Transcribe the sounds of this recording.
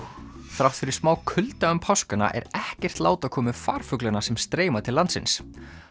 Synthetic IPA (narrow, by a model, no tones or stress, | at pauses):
fɾawt̪fɪɾɪ̥smaːwkʰʏlt̪aʏmpʰawskʏna̰ʔɛ̰ɾɛhcɛr̥t̪laːwt̪akʰɔːmɪfaːɾ̥fʏklʏnasɛmst̪ɾeːjmat̪ʰɪlant̪sɪ̰ns